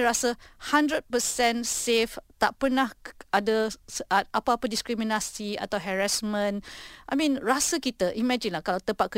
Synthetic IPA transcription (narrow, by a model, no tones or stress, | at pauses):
ɾasəhãndɾəd̚pəsɛ̃nseft̪aʔpərnahadəsəʔat̪̚ʔapaapədiskɾimĩnasia̰t̪awɦɛɹasmə̃nʔajmĩnɹasəkit̪əʔimɛd͡ʒĩnlahkalawt̪əmpat̪̚kə